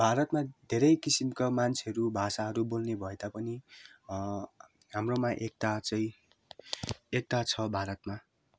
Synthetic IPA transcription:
bʱaɾʌt̪mad̪ʱeɾʌjkisimkamant͡sʰeɦʌɾubʱasaɦʌɾubolnebʱʌed̪apʌni | ɦamromaʔek̚t̪at͡sʌĩ | ek̚t̪at͡sʰʌbʱaɾʌt̪ma

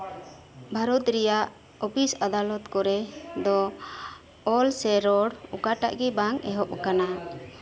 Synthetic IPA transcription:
bʱaɾɔt̪ɾɛjaʔ | ɔpʰisad̪alɔt̪kɔɾɛd̪ɔ | ɔlsɛɾɔɽṵkaʈa̰ʔɡɛbaŋɛɦɔʔ̚kana

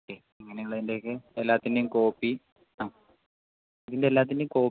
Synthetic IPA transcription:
okːe | iŋːɐnejɐɭeðinde̞kːɨelːaːt̪ːindejumko̞ːpːi | aː | ɐðindelːaːt̪̬ːindeko̞ː

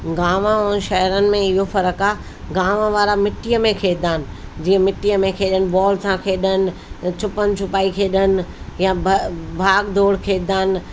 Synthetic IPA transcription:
ɡaːmãʊn̆ʃɐɦəɾənɪ̆mẽɪɦofɐɾəkaː | ɡaːʋãʋaːɾamɪʈːijəmẽkʰeːd̪aːɪnɪ̆d͡ʑiːə̃mɪʈːijəmẽkʰeːɗənɪ̆bɔːlsãkʰeːɗənɪ̆t͡ɕʰʊpənɪ̆t͡ɕʰʊpaːikʰeːɗənɪ̆ | jãbbʱaːɡd̪ʱoːɽkʰeːd̪aːnɪ̆

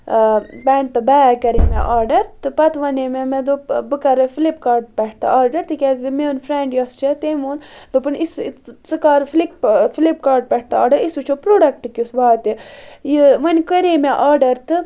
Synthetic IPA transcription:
bɛːɳɖ̚t̪ɨbaːakɐɾeːmḛʔaːɾɖɐɾt̪ɨpɐt̪ʋɐneːmemẽd̪obɨkɐɾɨfʰilipkaːɾɖpɛʈ̚ʰt̪ɐ̰aːɾɖɐɾt̪ɨkʲɛzimeunfʰɾeɳɖjɐst͡ʃʰɐt̪emund̪opɨnist͡sɨkaːɾfʰlik̚filip̚kaːɾɖ̚pɛʈ̚ʰt̪aaːɖɐɾisut͡ʃʰopɾoːɖɐk̚ʈɨkʲusbaːt̪ijiʋɐnʲkəɾeːmeʔaːɾɖɐɾt̪ɨ

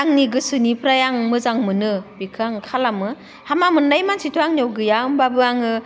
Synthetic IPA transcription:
aŋniɡɯsɯnipʰɾajaŋmɯzaŋmɯnɯbikʰɯaŋkʰalamɯ | hamamɯnːajmansitʰuaŋniɔwɡɯjaɯmbabɯaŋɯ

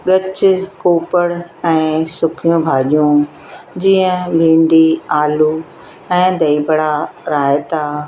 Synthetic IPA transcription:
ɠɐt͡ɕkoːpəɽɛ̃ːsʊkʰijũbʱaːʄijũ | d͡ʑiə̃bʱĩːɳɖiaːlu | ɛ̃ːd̪ɐibɽaɾaːɪt̪aː

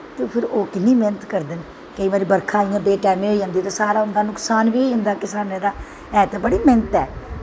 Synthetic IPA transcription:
t̪eːpʰɪɾoːkɪnːiːmeːnət̪kəɾd̪ɪn | kəiːʋaːɾiːbəɾkʰaːĩːãːbeːʈɛːmẽːɦoːid͡ʒãːnd̪iːt̪eːsaːɾaːʊnd̪aːnʊksaːnʋiːʊnd̪aːkɪsaːnẽːd̪aː | ɛːt̪eːbəɽiːment̪ɛː

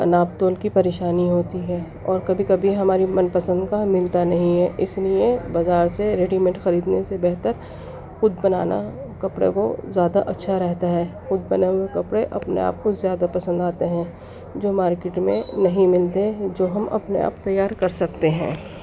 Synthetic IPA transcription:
ɐ̰naːp̚t̪oːlkipɐɾeːʃaːniɦoːt̪iɦɛː | ɔːɾkɐbʱikɐbʱiɦɐmaːɾimɐnpɐsə̃nd̪kamɪlt̪anɐɦĩɦɛʔɪsliebazaːɾseɾeːɖimɛ̃ːɳʈxɐɾiːd̪nesebɛɦt̪əɾ | xʊd̪bɐna̰ːna̰ | kɐpɽḛko̰zjaːd̪aʔɐtːʃʰaɾɛɦt̪aɦɛːxʊd̪bɐnawekɐpɽeʔɐpnḛa̰ːp̚kozjaːd̪apɐsə̃nd̪aːt̪eɦɛ̃ː | d͡ʒoːmaːɾkeːʈmḛ̃nɐɦĩmɪlt̪ed͡ʒoːɦɐmʔɐ̰pnḛa̰ːpt̪ɐjːaːɾkɐɾsɐk̚t̪eɦɛ̰̃ː

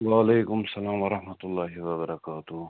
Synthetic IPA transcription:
waːleːkʊmsɐlaːmʋɐɾɐhmɐt̪ʊlːaːɦiwɐbɐɾɐkaːt̪u

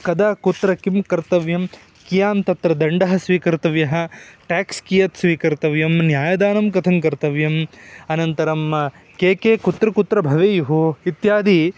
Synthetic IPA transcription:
kɐd̪aːkut̪ɾɐkimkɐɾt̪ɐʋjɐm | kijaːnt̪ɐt̪ɾɐd̪ɐɳɖɐɦɐ̆sʋiːkɐɾt̪ɐʋjɐɦɐ̆ʈaːkskijɐt̪sʋiːkɐɾt̪ɐʋjɐmnjaːjɐd̪aːnɐmkɐt̪ʰɐŋkɐɾt̪ɐʋjɐmɐnɐnt̪ɐɾɐm | keːkeːkut̪ɾɐkut̪ɾɐbʱɐʋeːjuɦuit̪jaːd̪i

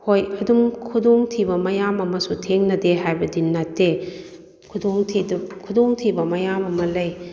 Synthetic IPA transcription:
hojɐdumkʰudoŋtʰibɐmɐjamɐmɐsutʰeŋnɐdeɦajbɐdinːatːe | kʰudoŋtʰikʰudoŋtʰibɐmɐjamɐmɐlɐj

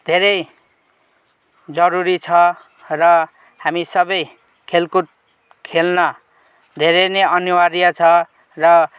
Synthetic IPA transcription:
d̪ʱeɾʌj | d͡zʌɾuɾit͡sʰʌ | rʌ | hamisʌbʌj | kʰelkuʈ̚ | kʰelnʌ | d̪ʱeɾʌneʌnuwaɾijat͡sʰʌ | rʌ

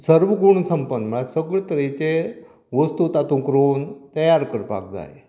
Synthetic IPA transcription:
səɾʋəɡuɳsəmpənm̤əɭasəɡɭt̪əɾet͡ɕe | ʋəst̪ut̪at̪ũkɾont̪əjaɾkəɾpa̰k̚d͡za̰j

